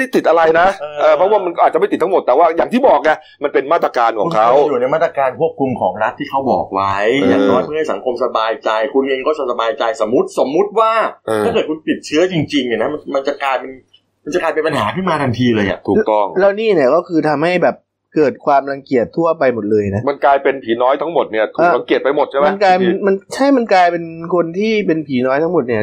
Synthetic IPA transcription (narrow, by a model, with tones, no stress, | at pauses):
da˥˩t̪i˨˩t̪̚ʔa˧ɾa˧jna˦˥˧ʔɤː˧˩pʰɾɔ˦˥waː˥˩ma˧nkɔ˥ʔaː˨˩t̪̚a˨˩ma˥˩t̪i˨˩t̪ʰːa˥mo˨˩t̪ːɛː˨˩waː˥˩jaː˨˩t̪ʰiː˥˩bɔː˨˩k̚ni˧˥ə | ma˧npe˧nmaː˥˩t̪ɾa˧kaː˧nkʰɔː˨˧˦ŋkʰa˦˥wjuː˨˩na˧jmaː˥˩t̪ɾa˧kaː˧nkʰu˥˩əp̚kʰu˧mkʰɔː˩˦ŋɾa˦˥t̪ʰːiː˥˩kʰa˦˥wbɔ̰ː˨˩k̚wa˦˥jjaː˨˩ŋnɔː˦˥jma˧nha˥˩jsa˩˦ŋkʰo˧msa˧baː˧jt͡ɕa˧jkʰu˧nʔeː˧ŋkɔː˥˩sa˧sa˧baː˧jt͡ɕa˧jso˩˦mːu˦˥t̪̚so˩˦mːu˦˥t̪̚waː˥˩ʔɤː˧a˥˩kɤː˨˩t̚kʰu˧npi˨˩t̪̚t͡ɕʰɯ˦˥ɐt͡ɕi˧ŋt͡ɕi˧ŋni˨˩na˦˥ma˧nma˧nt͡ɕa˨˩kaː˧jpe˧n | ma˧nt͡ɕa˨˩kaː˧jpe˧pa˧nɦaː˩˦kʰɯ˥˩nmaː˧ɾa˧ŋt̪ʰiː˧lɤː˧jʔa̰˨˩ʔt̪ʰuː˨kt̪ɔ˥˩ŋlɛ˦˥wniː˥˩ni˥˩ɐkɔː˥˩kʰɯː˧t̪ʰa˧mha˥˩jbɛː˨˩p̚ | kɤː˨˩t̪̚kʰwaː˧mɾa˧ŋki˨˩ət̪ʰːu˥˩ɐpa˧jmo˨˩t̪̚lɤː˧jna˦˥ma˧nklaː˧jpe˧npʰiː˩˦nɔː˦˥jt̪ʰa˦˥ŋmo˨˩t̪̚ni˥˩ɐt̪ʰʔaː˩˧ɾa˧˦ŋki˨˩ət̪̚pa˧jmo˨˩t̪̚t͡ɕʰa˥jma˦˧nklaː˧jnma˧nt͡ɕʰa˥˩jma˧nkaː˧jpe˧nkʰo˧nt̪ʰiː˥˩pe˧npʰiː˩˦nɔː˦˥jt̪ʰa˦˥mo˨˩t̪̚ni˥˩ɐ